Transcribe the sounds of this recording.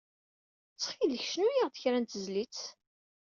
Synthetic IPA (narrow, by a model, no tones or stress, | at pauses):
t͡sːχiləçʃnujiʁðəçɾænt̪əzlit͡s